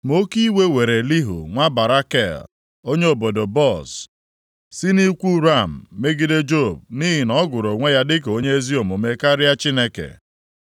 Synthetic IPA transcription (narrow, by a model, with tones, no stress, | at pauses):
mo˦ki˦we˦we˨ɾe˨li˦ɦo̰˨ŋʷa˦ba˨ɾa˦kɛ̰˦˨l | o˦ɲe˦o˨bo˨do˨bɔ˦˨s | si˦ni˦kʷu˦ɾa˦˨m̩ː˨e˦ɡi˦de˦d͡ʒo˦˨b̚ni˦ɦɪ˨nɔ˦ɡʊ˨ɾo˨ŋʷe˦ja˦dɪ˦k̬e˨o˦ɲe˦e˦zi˦o˨mo˨me˦ka˦ɾja˦t͡ʃi˦ne˦kḛ˨